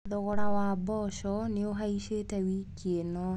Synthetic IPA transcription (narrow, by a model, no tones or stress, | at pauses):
ðɔɣɔɾawabɔʃɔneoɦaiʃetɛwikienɔ